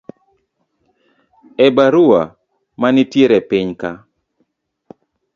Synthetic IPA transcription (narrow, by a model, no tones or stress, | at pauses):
ɛbaɾʊwa | manɪtjeɾɛpɪɲka